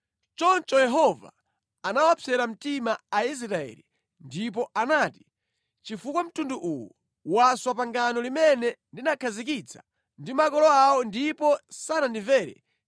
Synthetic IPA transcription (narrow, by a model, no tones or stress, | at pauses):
t͡ʃɔnt͡ʃɔjɛɦɔva̰ | anawapʰɛɾam̩timaais̬ɾaɛ̰li | ndip̬ɔʔanaːti̥ | t͡ʃifukwam̩tunduʔuwɔ | waswapaŋɡanɔlimɛnɛndinakʰazik̬it͡sʰḁ | ndimakɔlɔawɔndipɔsanandiɱvɛːɾɛ̰